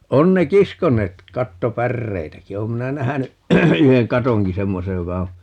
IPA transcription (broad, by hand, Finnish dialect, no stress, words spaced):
on ne kiskonˑeːt kɑtːopærːeitæki oːm minæ næhæny yheŋ kɑtoŋki semːosej jokɑ o